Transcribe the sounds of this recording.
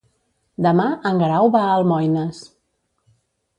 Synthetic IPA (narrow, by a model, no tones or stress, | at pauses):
d̪əmaəŋɡɾawβaəlˠmɔjnəs